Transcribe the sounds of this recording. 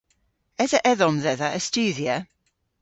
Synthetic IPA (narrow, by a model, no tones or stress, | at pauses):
ɛðəʔɛðɔmðɛðəʔəstʉːðjə